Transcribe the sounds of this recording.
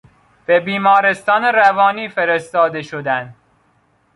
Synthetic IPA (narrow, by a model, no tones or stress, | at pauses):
b̥ebiːmɒːɾe̞st̪ɒːneɾævɒːniːfe̞ɾest̪ɒːd̪e̞ʃod̪ænd̪